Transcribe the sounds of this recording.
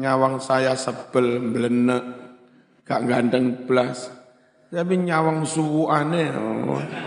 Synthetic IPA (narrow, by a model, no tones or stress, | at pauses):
ɲawaŋsajasəb̥əlmbələnəʔ | ɡ̥aʔŋɡand̪əŋblas | tabiɲawaŋsuwuʔanḛ